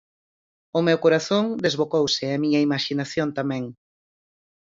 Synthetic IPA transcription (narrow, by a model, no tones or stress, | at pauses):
ʊmewkoɾaθõŋd̪ezβokowsɪamiɲɐimaʃinaθjont̪amɛ̃ŋ